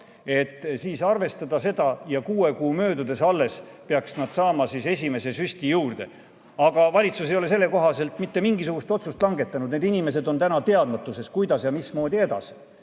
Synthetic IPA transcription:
e̞t̪ːˑsiːsɑrve̞st̪ɑd̪̥ɑse̞d̪̥ɑjɑkuːe̞kuːmø̞ːd̪ud̪e̞sɑlːe̞speɑksnɑd̪̥sɑːmɑsise̞sʲime̞se̞sysʲt̪ijuːrd̪̥e̞ | ɑɡ̥ɑvɑlʲit̪susejo̞le̞s̬e̞lːe̞ko̞ɦɑse̞lt̪ːˑmit̪ːe̞miŋɡisuɡ̥ust̪o̞t̪sust̪lɑŋɡe̞t̪ːˑɑnud̪neːd̪inime̞s̬e̞d̪o̞nt̪ænɑt̪e̞ɑd̪mɑt̪ːˑuse̞skujd̪̥ɑsjɑmismo̞ːd̪ie̞d̪ɑ̰si

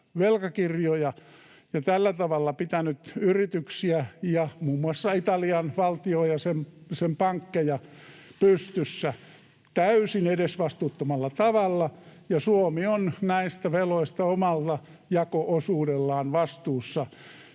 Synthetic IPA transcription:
ʋelkɑkirjojɑ | jɑt̪ælːæt̪ɑʋɑlːɑpit̪ænyt̪yrit̪yksiæjɑmuːmːuɑsːɑit̪ɑliɑnʋɑlt̪iojɑsemsempɑŋkːejɑpyst̪ysːæ | t̪æysinedesʋɑst̪uːt̪ːomɑlːɑt̪ɑʋɑlːɑjɑsuomionnæist̪æʋeloist̪ɑomɑlt̪ɑ | jɑkoʔosuːdelːɑːnʋɑst̪uːsːɑ

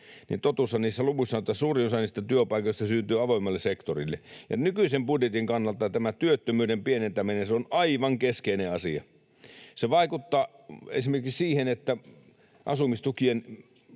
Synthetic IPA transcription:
nḭnt̪ot̪uˑsːɑniːsːæluʋuisːɑnot̪ːˑɑsuːriosɑniːst̪æt̪yøpɑˑikoˑist̪ɑsyːnt̪yːɑʋoˑimːˑɑlːesekt̪orilːḛjɑ̰nykyisembudjet̪iŋkɑnːɑlt̪ːɑt̪æmæt̪yøt̪ːømyːdempienent̪æmenenseonɑiʋɑŋkeskeineɑsiɑ̰ | seʋɑikut̪ːɑː | ḛsimerkikssiːhenet̪ːæ | ʔɑ̰sumist̪ukien

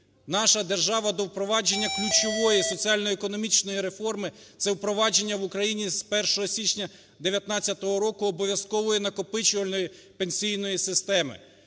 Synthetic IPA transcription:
nɑʃɐd̪e̞rʒɑʋɐd̪ɔwpɾɔʋɑd͡ʒe̞nʲːɐklʲut͡ʃɔʋɔjisɔt͡sʲiɑlʲnɔɛkɔnɔmʲit͡ʃnɔjiɾe̞fɔrmɪ | t̪sɛwpɾɔʋɑd͡ʒe̞nʲːɐʋʊkɾɐjinʲizpɛrʃɔɦɔsʲit͡ʃʲnʲɐ | d̪eʋʲjɐt̪nɑt͡sʲːɐt̪ɔɦɔɾɔkʊːbɔʋʲjɐskɔʋɔjinɐkɔpɪt͡ʃʊʋɐlʲnɔji | penʲsʲijnɔjisɪst̪ɛmɪ̰

